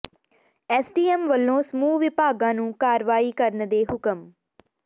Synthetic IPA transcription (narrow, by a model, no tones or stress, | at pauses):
ɛːsʈiːɛmʋəlːõːsəmuːʋɪpaːɡãːnũːkaːɾʋaːiːkəɾnd̪eːɦʊkəm